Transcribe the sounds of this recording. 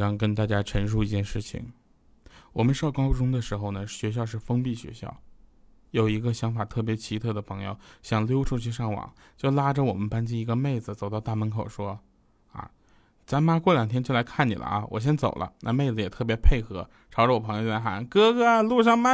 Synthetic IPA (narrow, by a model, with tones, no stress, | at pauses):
jɑ˥˩ŋkə˥nt̪a˥˩t͡ɕja˥ʈ͡ʂʰə˧˥nʂ̬u˥˧i˧t͡ɕjɛ˥˧nʂɻ̩˥˩t͡ɕʰḭ˨˩ŋ | wɔ˨˩mə˦nʂɑ˥˩ʊkɑ˥ʊpu˥ʈ͡ʂʊ˥ŋd̪ə˨ʂɻ̩˧˥xo˧ʊnə˩ɕɥɛ˧˥ɕ̬jɑ˥˧ʊʂ̬ɻ̩˥˩fɤ˥ŋpi˥˩ɕɥɛ̰˧˥ɕjɑ̰˥˩ʊ | jo˨˩ʊi˧˥ɡə˧ɕjɑ˧˥ŋfa˨˩t̪ʰɤ˥˩p̬jɛ˧˥t͡ɕʰi˧˥t̪ʰɤ˥˩d̪ə˩pʰɤ˧˥ŋjo̰˥˧ʊɕjɑ˨˩ŋljo˥ʊʈ͡ʂʰu˥˧t͡ɕʰy˥˧ʂɑ˥˩ŋwɑ̰˨˩˦ŋ | t͡ɕjo˥˩ʊla˥ʈ͡ʂə˨wɔ˨˩mə˦npa˥nt͡ɕi˥ni˧˥ɡə˧me˥˩ɪd͡zɹ̩˩t͡so˨˩ʊt̪ɑ˥˧ʊt̪a˥˩mə˧˥nkʰo˨˩ʊʂwɔ˥ | ɐ̰˧˩ | t͡sa˧˥ma˥kwɔ˥˩ljɑ˨˩ŋt̪ʰjɛ˥t͡ɕo˥˩ʊla˧˥ɪkʰa˥˩nnḭ˨˩lə̰˦ʔɐ̰˧wɔ˨˩ɕ̬jɛ˥nt͡so˨˩ʊlʔə̰˦na˥˧me˥˩ɪd͡zɹ̩˩˧jɛ˨˩t̪ʰɤ˥˩p̬jɛ˧˥pʰe˥˩ɪxɤ˧˥ | ʈ͡ʂʰɑ˧˥ʊʈ͡ʂwɔ˨˩pʰɤ˧˥ŋjo˧˩˥a˧˥xa̰˧˥nkɤ˥ɡɤ˥˧˩lu˥˧ʂ̬ɑ˥˧ŋma˥